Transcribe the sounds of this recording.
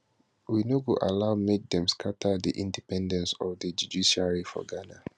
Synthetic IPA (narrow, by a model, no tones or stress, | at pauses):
winoɡuʔa̰laʊmek̚dɛ̃mskʰatʰədḭʔĩndipɛ̃ndɛ̃nsɔvdəd͡ʒudiʃiaɹifɔ̰ɡana